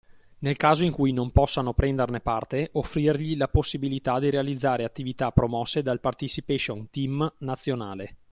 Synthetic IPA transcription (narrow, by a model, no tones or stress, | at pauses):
nelkaːzoiŋkujnompɔsːanopɾɛnd̪ernepart̪eʔofːɾirʎilaposːibilit̪ad̪iɾealid̪zːaːɾeat̪ːivit̪apːɾomɔsːed̪alpart̪isipeʃont̪imnat̪sːjonaːle